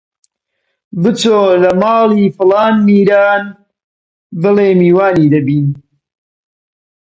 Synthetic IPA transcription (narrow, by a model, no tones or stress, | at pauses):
bɨt͡soːlɐmɑːliːfɨlɑːnmiːɾaːn | bɨleːmiːwaːniːd̪ɐbiːn